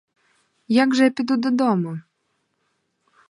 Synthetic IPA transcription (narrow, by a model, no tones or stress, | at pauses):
jaɡʒɛpʲid̪ud̪ɔd̪ɔmu